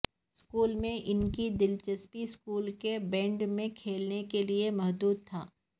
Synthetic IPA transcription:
skuːlmẽʔɪnkid̪ɪlt͡ʃəspiskuːlkebɛ̃ːɳɖmẽkʰeːlnekeliemɐɦd̪uːd̪̚t̪ʰa̰ː

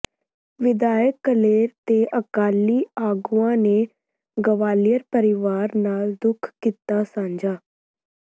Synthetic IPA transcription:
ʋɪd̪aːjəkːəleːɾt̪eːʔəkaːlːiːaːɡuːãːneː | ɡəʋaːlijəɾpəɾɪʋaːɾnaːld̪ʊkʰkːiːt̪ːaːsãːɲd͡ʒaː

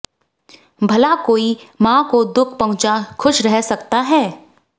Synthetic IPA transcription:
bʱɐlakoːimãːkod̪ʊkʰpɐɦʊ̃t͡ʃakʰʊʃɾɛɦsɐkt̪aɦɛː

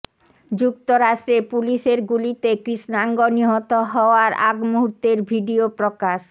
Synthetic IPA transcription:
d͡ʑuk̚t̪oɾaʃʈɾepuliʃeɾɡulit̪ekɾiʃnaŋɡoniɦot̪oɦɔoaɾa̰ɡmuɦuɾt̪eɾbʱiɖiopɾokaʃ

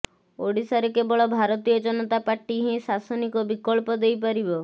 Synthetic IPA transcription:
oɽisaɾekebɔɭɔbʱaɾɔt̪ijɔd͡ʒɔnɔt̪apaʈiɦĩsasɔnikɔbikɔɭpɔd̪ejpaɾibɔ

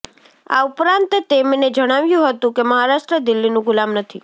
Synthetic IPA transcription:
a̰ʊpɾãnt̪t̪emned͡ʒəɽ̃aʋjũɦət̪ũkeməɦaɾaʃʈɾəd̪ɪlːinũɡʊlamnət̪ʰi

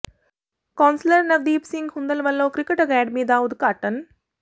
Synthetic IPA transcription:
kaːnsləɾnɐɡd̪iːpsiŋɡhund̪ɐlʋɐlːoːkɾikəʈəɡæːɖmid̪aːud̪kaːʈən

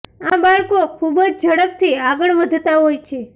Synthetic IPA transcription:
ãbaɭkokʰubd͡ʒd͡ʒʱəɽək̚t̪ʰiaɡəɭʋəd̪ʱt̪aɦojt͡ʃʰe

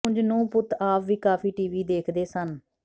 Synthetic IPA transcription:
ʊ̃ɲd͡ʒnũːpʊt̪ʰaːpʋiːkaːpʰiːʈiːʋiːd̪eːkʰd̪eːsən

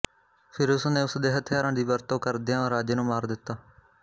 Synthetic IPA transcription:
pʰɪɾʊsneːʊsd̪eːɦət̪ʰɪjaːɾãːd̪iːbəɾt̪õːkəɾd̪ijãːɾaːd͡ʒənũːmaːɾd̪ɪt̪ːaː

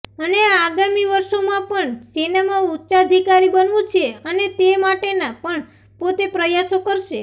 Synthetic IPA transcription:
əneaɡamiʋəɾʃomãpəɳsinemautːʃaəd̪ʱikaɾibənʋũt͡ʃʰeənet̪emaʈenapəɳ | pot̪epɾəjasokəɾʃe

